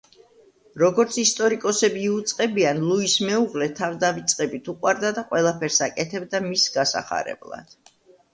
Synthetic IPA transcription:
ɾɔɡɔɾt̪sʰist̪ʼɔɾikʼɔsɛbiːut̪sʼqʼɛbianlˠuismɛuʁlɛt̪ʰavd̪avit̪sʼqʼɛbit̪ʰuqʼwaɾd̪ad̪aqʼwɛlˠapʰɛɾsakʼɛt̪ʰɛbd̪amisɡasa̰χa̰ɾɛ̰blˠa̰d̪̥

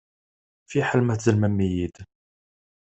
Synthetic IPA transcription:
fiħəlmæθzəlmæmːijid̪

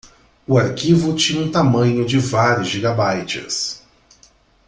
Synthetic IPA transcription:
ʊaɾkivʊt͡ʃĩɲɐũt̪amɐ̃ɲʊd͡ʒɪvaɾjʊzʒiɡabajt͡ʃɪ̰s

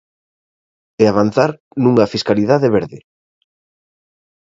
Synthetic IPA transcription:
eaβ̞an̟θaɾ | nũŋɐfiskaliðaðeβeɾðɪ

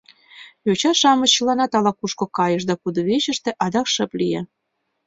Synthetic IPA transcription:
jot͡ɕɑʃɑmɤɕːəlɑnɑt̪ɑlɑkuʃkŏkɑjɤ̆ʃ̬d̪ɑkud̪oβeɕə̆ʃt̪ĕʔɑd̪ɑkʃə̆plije

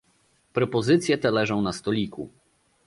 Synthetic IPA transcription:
pɾɔpɔzɘt̪sʲjɛt̪ɛlɛʐɔ̃w̃nast̪ɔlʲikṵ

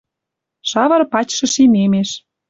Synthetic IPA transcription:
ʃɑβɤ̆ɾpɑt͡ɕʲʃɤ̆ʃimemeʃ

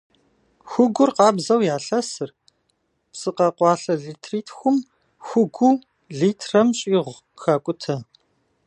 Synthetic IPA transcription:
xʷʊɡʷʊrqɑːbzɐwjaːɬɐsɨr | psʼɨqɐqʷɑːɬɐɮiːtʰriːtʰxʷʊm | xʷʊɡʷu | ɮiːtʰrɐmɕʼiːʁʷ | xaːkʷʼʊtʰɐ

